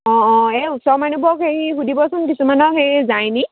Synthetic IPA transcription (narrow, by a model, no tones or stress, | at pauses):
ɔ̃ɔ̃eutsɔɹmanubɔkhejiɦudibɔsɔnkisumanɔkhejzajni